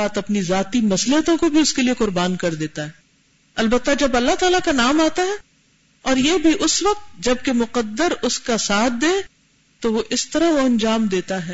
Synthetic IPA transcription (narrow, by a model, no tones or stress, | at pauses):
aːt̪ɐpnizaːt̪imɐslət̪õkobʱiʊskelieqʊɾbaːnkɐɾd̪eːt̪aɦɛː | ɐlbət̪ːad͡ʒɐbɐlːaɦt̪aːlakanaːmaːt̪aɦɛ | ɔːɾjebʱiʔʊsʋɐq̚t̪̚d͡ʒɐb̚kemʊqəd̪ːəɾʊskasaːt̪̚ʰd̪ẽː | t̪oʋoʔɪst̪ɐɾaɦʋoɐ̃nd͡ʒaːmd̪eːt̪aɦɛː